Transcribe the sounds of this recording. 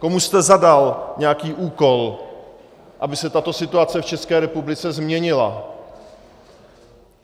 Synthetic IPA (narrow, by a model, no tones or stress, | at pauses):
ko̞must̪ɛzadalɲɛakiːʔuːko̞l | ʔabɪsɛt̪at̪o̞sɪt̪uat͡sɛft͡ʃɛskɛːɾɛpublɪt͡sɛzmɲɛɲɪla̰